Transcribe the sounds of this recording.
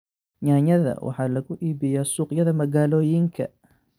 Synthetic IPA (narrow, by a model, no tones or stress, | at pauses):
ɲaːɲɐðɐ̰wʔɑ̰ħɑːlɐɣʊʔiːbɪjaːsuːqjɐðɐmɐɣaːlɔːjɪŋkʰɐ̰